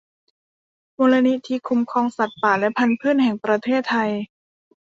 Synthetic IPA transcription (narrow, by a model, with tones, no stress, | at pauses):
moː˧la˧ni˦˥t̪ʰiː˧kʰu˧mkʰɔː˧ŋsa˨˩t̪̚paː˨˩lɛ˦˥pʰa˧npʰɯː˥˨nhɛ˨˩ŋpɾa˧t̪ʰeː˥˩t̪ʰːa˧j